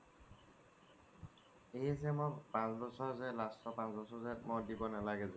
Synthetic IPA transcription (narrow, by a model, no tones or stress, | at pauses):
eɦisɛmɔpãsbɔsɔɹzɛlastʰɔpãnsbɔsɔzɛmɔdibɔnalaɡɛzɔ̃